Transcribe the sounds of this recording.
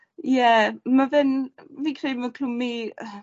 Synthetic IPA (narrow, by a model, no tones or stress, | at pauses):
jɛmavɨnviːkʰrejmakʰlʊmi